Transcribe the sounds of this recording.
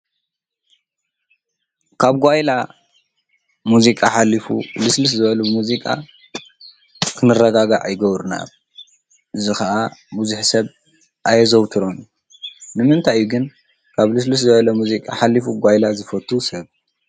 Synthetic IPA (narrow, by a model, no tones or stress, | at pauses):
kʰaβɡʷajla | muzikʼaħalifṵlɨslɨs̬zɨβɐluɨmuzikʼa̰ | kʰɨnɨrːɐɡaɡaʕʔajɡɐβɾuna̰ | ʔɨzixɐʔabuzuħsɐβ | ʔajɐzowt̪ʰɨɾon | nɨmɨnt̪ʰajːuɡɨn | kʰaβlɨs̬lɨs̬zɨbɐlɐmuzikʼa̰ħalːifuɡʷajlazɨfɐt̪ʰːusɐβ